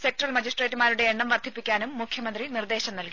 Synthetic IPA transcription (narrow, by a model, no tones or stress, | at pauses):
sek̚ʈrɐlmɐd͡ʑisʈre̞ːtːɨmaːɾuɽe̞ːɳːɐmʋɐrd̪ʱipːikʲːaːnumːukʰjɐmɐnd̪rinird̪e̞ːɕɐmnɐlki